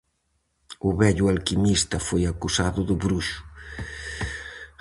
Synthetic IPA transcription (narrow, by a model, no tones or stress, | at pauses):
ʊβɛʎʊalkimist̪ɐfojakusaðʊðʊβɾuʃʊ̥